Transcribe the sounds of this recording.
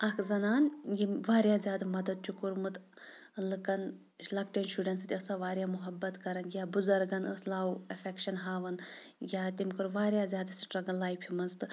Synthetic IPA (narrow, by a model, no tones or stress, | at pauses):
ɐkʰzɐnaːnjiʋaːɾjaːzʲjaːd̪amɐd̪ɐd̪̚t͡ʃʰukuɾmɨt̪ | lɨkɐn | lɐkʈenʃuɖʲɐnst̪ʲɐsaʋaːɾjaːmuɦɐbːɐt̪kɐɾɐnjʲaːbuzɐɾɡɐnə̰slaːwɐfʲekʃɐnɦaːʋɐn | jʲaːt̪imkɨɾʋaːɾjaːzʲjaːd̪ɐsiʈɾɐɡɐlaːjpʰimɐnst̪ɨ